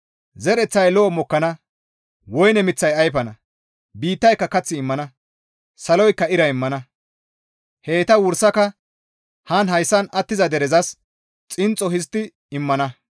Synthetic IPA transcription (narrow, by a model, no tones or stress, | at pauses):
zɛɾɛt͡sːɐjlɔːmɔkːɐnɐ | wɔjnɛmɪt͡sːɐjɐjpɐnɐ | biːt̪ːɐjkːɐkɐt͡sːɪːmːɐnɐ | sɐlɔjkːɐɪɾɐɪmːɐnɐ | heːt̪ɐwʊɾsɐkɐ | hɐnhɐjsːɐnɐt̪ːɪzɐd̪ɛɾɛzɐs | t͡sʼɪnt͡sʼːɔɦɪst̪ːɪ | ɪmːɐnɐ